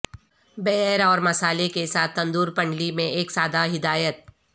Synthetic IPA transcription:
bɛɦɛɾɔːɾmɐsaːlekesaːt̪ʰːɐ̃nd̪uːɾpɐ̃ɳɖlimẽʔeːksaːd̪aɦɪd̪aːjət̪̚

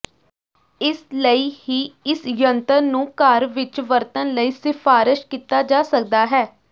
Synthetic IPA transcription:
ɪsləiːhiːɪsjənt̪ənnũːkaːɾʋɪt͡ʃʋəɾt̪ənləiːsɪfʰaːɾɪʃkiːt̪aːd͡ʒaːsək̚d̪aːɦɛː

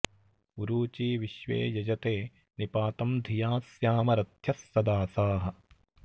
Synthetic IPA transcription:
uɾuːt͡ʃiːʋiʃʋḛːjɐd͡ʒɐt̪eː | nipaːt̪ɐmd̪ʱijaːsjaːmɐɾɐt̪ʰjɐsːɐd̪aːsaːɦɐ̆

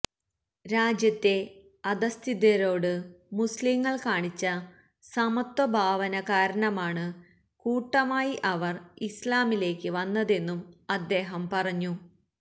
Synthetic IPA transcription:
ɾaːd͡ʑjɐt̪ːe̞ | ɐd̪ɐst̪ʰid̪jɐɾo̞ːɽɨmusliŋːɐɭkaːɳit͡ɕːɐ | sɐmɐt̪wɐbʱaːʋɐnɐkaːɾɐɳɐmaːɳɨ | kuːʈːɐmaːjiʔɐʋɐrislaːmile̞ːkːɨʋɐnːɐðe̞nːumɐd̪ːe̞ːɦɐmpɐrɐɲːu

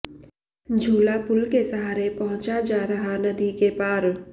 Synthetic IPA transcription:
d͡ʒʱuːlapʊlkesɐɦaːɾepɐɦʊ̃t͡ʃad͡ʒaːɾɐɦanɐd̪ikepaːɾ

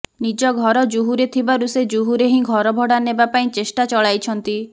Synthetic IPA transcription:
nid͡ʒɔɡʱɔɾɔd͡ʒuɦuɾet̪ʰibaɾused͡ʒuɦuɾeɦĩɡʱɔɾɔbʱɔɽanebapaĩt͡ʃesʈat͡ʃɔɭajt͡ʃʰɔnt̪i

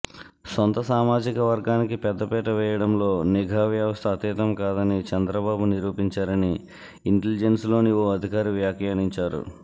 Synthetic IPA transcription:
sont̪ɐsaːmaːd͡ʒikɐʋɐɾɡaːnikipɛd̪ːɐpɛːʈɐʋɛːjɐɽɐmlo̞ːniɡʱaːʋjɐʋɐst̪ʰɐːt̪iːt̪ɐmkaːd̪ɐnit͡ʃɛnd̪ɾɐbaːbuniɾuːpiɲt͡ʃaːɾɐniː | ɳʈelid͡ʒenslo̞ːnioːɐd̪ʱikaːɾiʋjaːkjaːniɲt͡ʃaːɾṵ

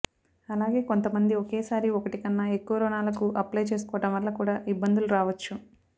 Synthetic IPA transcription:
ɐlaːɡe̞ːko̞nt̪ɐmɐnd̪iɔkeːsaːɾiɔkɐʈikɐnːɐekːuʋɐɾɔːnaːlɐkuʔɐplɐjt͡ʃe̞ːsukɔːʋɐʈɐmʋɐlːɐkuːɽaːʔibːɐnd̪uluɾaːʋɐt͡ʃːu

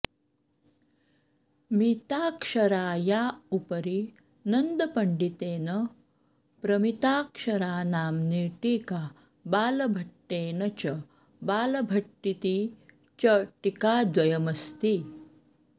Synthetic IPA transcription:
miːt̪aːkʂɐɾaːjaupəɾi | nɐnd̪əpɐɳɖit̪eːnə | pɾɐmit̪aːkʂɐɾaːnaːmniːʈiːka | baːlɐbʱɐʈːeːnɐt͡ɕɐ | baːlɐbʱɐʈːit̪iː | t͡ɕɐʈikad̪ʋɐjɐmɐst̪iː

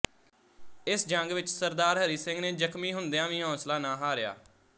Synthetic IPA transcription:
ɪsd͡ʒəŋɡʋɪt͡ʃsəɾd̪aːɾɦəɾiːsɪŋɡneːd͡ʒəkʰmĩːɦʊnd̪ejãːʋĩːɦɔ̃ːslaːnãːɦaːɾɪja̰ː

